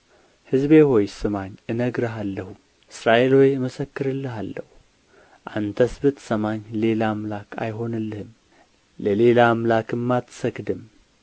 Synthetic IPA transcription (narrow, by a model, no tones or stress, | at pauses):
hɨzbeho̞jsɨmaɲʔɨnəɡɾəɦalːəhu | ʔɨsɾaʔe̞lojməsəkːɨɾɨlːɨɦalːəhu | ʔant̪ʰəsbɨt̪səmaɲle̞lamlakʰa̰jɦo̞nɨlːɨhɨm | ləle̞lamlakɨmːat̪səkd̪ɨm